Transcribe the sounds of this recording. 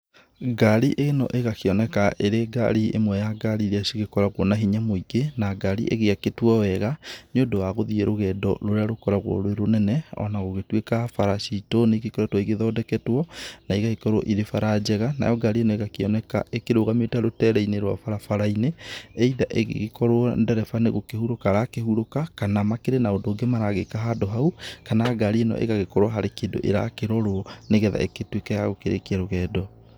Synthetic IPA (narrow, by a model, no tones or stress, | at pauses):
ɡaɾiʔenɔ̰ʔeɣakeɔnɛkaʔeɾeɡa̰ɾiḛmwɛjaɡaɾiɾeaʃiɣekɔɾaɣwɔnaɦiɲamoiɡenaɡaɾiʔḛɣeaketwɔwɛɣaneodowaɣoðieɾoɣɛːdɔ̰loɾeaɾokɔɾaɣwɔ̰ɾoeɾonɛnɛɔ̰naɣoɣetwekafaɾaʃitonekekɔɾɛtwɔiɣeðɔdɛkɛtwɔnaiɣaikɔɾo̰ʔiɾefaɾad͡ʒɛɣana̰jɔɡaɾienɔeɣakeɔnɛka̰ʔekeɾoɣametaɾotɛɾɛineɾwa̰faɾafaɾaineɛiðaʔeɣḛɣekɔɾoɔndɛɾɛfaneɣokehuɾokaɾakehuɾokakanamakeɾenaondoːŋɡemaɾaɣekaɦadɔɦaukanaɡaɾeenɔ̰ʔḛɣaɣekɔɾoaɦaɾekedo̰ʔḛɾa̰keɾɔɾoɔneɣɛða̰ʔḛketwekajaɣokeɾḛkeaɾoɣɛdɔ